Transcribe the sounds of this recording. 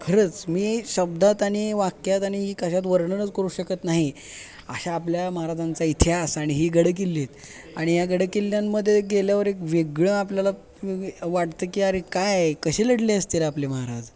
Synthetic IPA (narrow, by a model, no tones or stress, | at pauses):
kʰəɾət͡smiːɕəb̚d̪ʱat̪aɽ̃iʋakjat̪aɽ̃iɦiːkəɕat̪ʋəɾɳənət͡skəɾuːɕəkət̪naɦi | ə̰ɕaːpljaməɦaɾad͡zant͡sait̪ʰjasaɽ̃iɦiːɡəɽəkilːit̪ | aɽ̃ijaɡəɽəkilːjamːəd̪ʱːjeɡeljaʋəɾekʋeɡɭəapljala | ʋaʈt̪əːkiːaɾekajkəɕeləɽliəst̪ilapleməɦaɾad͡z